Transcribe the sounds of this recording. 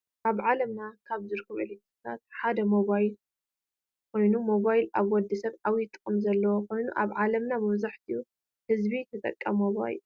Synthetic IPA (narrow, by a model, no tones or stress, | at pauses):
ʔaβʕalɐmnakʰaβzɨɾkʰːɨβɨ̰lit̪ɨt̪ʰa̰t̪ħad̪ɐmo̞βajl | kʰo̞jnumo̞βajlaβwɔd̪ːisɐβawjit̪ʼːɨ̥χʼɨmzɐlːɐwokʰo̞jnṵʔa̰βʕalɐmnamɨβzaħt̪ʰiju | hɨzbit̪ʰɐt̪ʼɐ̰kʼːɐmoβa̰j̰l